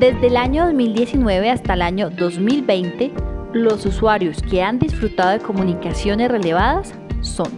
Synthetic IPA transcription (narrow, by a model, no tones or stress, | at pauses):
d̪e̞zd̪eːlaɲo̞ðozmild̪je̞sinwe̞βe̞ast̪alaɲo̞ðo̞zmilbe̞jnt̪e̞lo̞suswaɾjo̞ske̞and̪isfɾut̪aðoðeko̞munikasjo̞nesre̞le̞β̞aðasː | o̞n